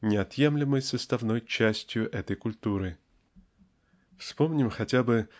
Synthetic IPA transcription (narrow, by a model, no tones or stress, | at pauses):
nʲɪɐt̪jemlʲɪməjsəst̪ɐvno̞jt͡ɕæsʲtʲjʊʔɛt̪əjkʊlʲt̪uɾɨ | fspomnʲɪmxɐtʲabɨ